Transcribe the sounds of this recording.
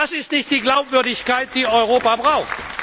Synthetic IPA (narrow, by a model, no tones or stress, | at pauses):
asɪstnɪçtd̥iːɡlaʊpv̥ʏɐdɪçkaɪt̚d̥iːɔʏʁoːpabʁaʊxt